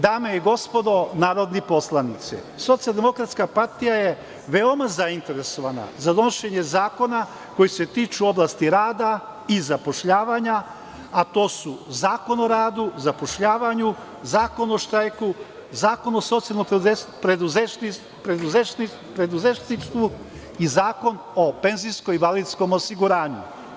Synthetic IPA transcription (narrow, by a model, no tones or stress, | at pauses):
d̪aːmeiɡo̞spo̞d̪o̞naːɾo̞d̪nepo̞slˠanit̪sḛ | so̞t̪ijalˠd̪emo̞kɾat̪skapaɾt̪ijaje̞ | ʋe̞o̞mazaint̪e̞ɾe̞so̞ʋana̰zad̪o̞noʃe̞ɲe̞zaːko̞na | ko̞jise̞t̪iːt͡ʃuo̞blast̪iɾaːd̪a | izapo̞ʃʎaːʋaɲa | at̪o̞ːsuzaːko̞no̞ɾaːd̪uzapo̞ʃʎaːʋaɲu | zaːko̞no̞ʃt̪ɾajku | zaːko̞noso̞t̪sijalnopɾed̪uzei | pɾed̪uze | pɾe̞d̪uzeʃnist̪ʋu | izaːko̞n | o̞pe̞nziskoibalid̪sko̞mo̞siɡuɾaːɲṵ